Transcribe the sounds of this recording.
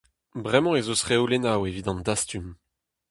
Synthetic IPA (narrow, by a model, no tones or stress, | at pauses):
bʁɛmɑ̃ezosʁeolenawevid̪ɑ̃nd̪ast̪ym